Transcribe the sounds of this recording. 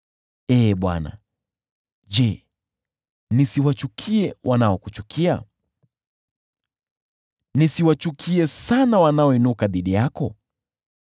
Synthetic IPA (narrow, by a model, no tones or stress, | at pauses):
ɛːɓwa̰na̰ | ʄɛ | nisiwat͡ʃukʰiɛwʔanaɔkut͡ʃukʰia̰ | nisiwat͡ʃukʰiɛsanawanaɔinukaðiɗijakɔ